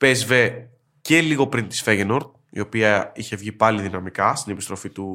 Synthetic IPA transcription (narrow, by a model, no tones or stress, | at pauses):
pe̞zve̞ | ce̞liɣo̞pɾint̪i̥sfeʝenoɾt̪̚ | ḭo̞piɐiçe̞vʝipɐliðinɐmikɐst̪ine̞pist̪ɾo̞fit̪u